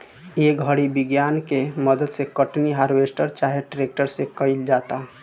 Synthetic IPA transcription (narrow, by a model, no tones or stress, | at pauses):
ekbʱəɽibɪɡjankeməd̪əd̪sekəʈniɦaɾʋesʈəɾt͡ʃaɦeʈɾek̚ʈəɾsekəɪld͡ʒaːt̪a